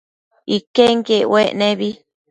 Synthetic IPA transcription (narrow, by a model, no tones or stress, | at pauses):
ikeŋkeweʔnẽβi